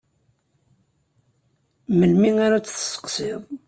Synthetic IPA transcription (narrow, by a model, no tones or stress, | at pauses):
məlmiŋaɾat͡sːθə̥sə̥qsɪðˤ